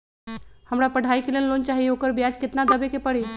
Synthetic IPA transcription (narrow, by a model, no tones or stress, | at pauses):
həmɽapəɽ̤ʱaikelenlont͡ɕaɦieokəɾbjad͡ʒkɪt̪nad̪əbekepəɽe